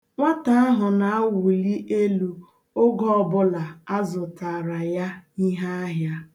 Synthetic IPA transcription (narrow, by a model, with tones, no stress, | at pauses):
ŋʷa˦ta˨a˦ɦʊ˨na˨a˦wu˨li˦ʔe˦lu˨ | o˦ɡɔ˦˨bʊ˦la˨a˦zʊ˨ta˨ɾa˨ja˦i˦ɦa˦a˦ɦja˦